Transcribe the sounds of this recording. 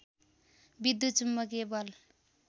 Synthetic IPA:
bid̪ut͡ʃumːʌkebʌl

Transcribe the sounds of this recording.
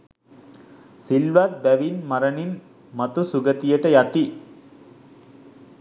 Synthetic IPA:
silʋat̪̚bæʋinmɐɾənin | mɐt̪usuɡət̪ijəʈəjat̪i

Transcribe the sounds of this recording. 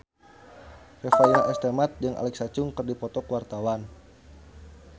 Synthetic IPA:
refainaʔɛst̪emat̪̚d͡ʒɨŋʔa̰lɛk̚sat͡ʃʊŋkɨrdipɔt̪ɔkwart̪awan

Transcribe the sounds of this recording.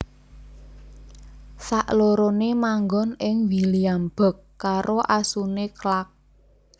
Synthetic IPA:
saʔloɾonemaŋɡɔnɪŋwiliamb̥ə̤kːaɾʔoʔasuneklak̚

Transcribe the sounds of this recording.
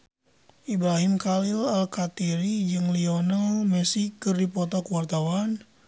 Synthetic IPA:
ʔibɾaɦimkalilalkat̪iɾid͡ʒɨŋliɔnalmɛsikːɨrdipɔt̪akuwart̪awan

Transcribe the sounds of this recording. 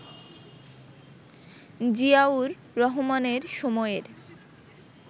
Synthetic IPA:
d͡ʑiauɾːɔɦomaneɾʃomɔeɾ

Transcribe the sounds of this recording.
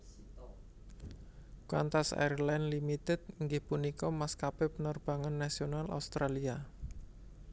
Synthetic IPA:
kwa̰nt̪asa̰jɾlanlimit̪ɛt̪̚ŋɡɪhpunikɔmaskapepənɔrb̥a̤ŋanːasionalʔa̰ust̪ɾalia

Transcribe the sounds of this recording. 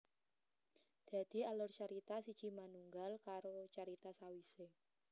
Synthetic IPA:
d̪̥a̤d̪̥i̤alʊrt͡ʃaɾit̪asit͡ʃimanuŋɡalkaɾot͡ʃaɾit̪asawise

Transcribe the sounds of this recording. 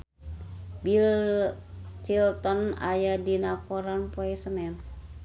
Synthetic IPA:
bil | t͡ʃilt̪ɔnajadinakoɾanpoɛsənɛn

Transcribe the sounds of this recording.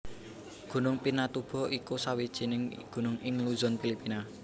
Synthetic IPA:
ɡ̥ṳnʊŋpinat̪ub̥ɔ̤ʔikusawid̥ʒ̥inɪŋɡ̥ṳnʊŋɪŋluzɔnfilipina

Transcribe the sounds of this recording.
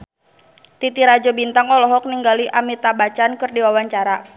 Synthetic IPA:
t̪it̪iɾad͡ʒɔbint̪aŋɔlɔɦɔk̚niŋɡaliʔamit̪abat͡ʃankɨrdiwawaɲt͡ʃaɾa

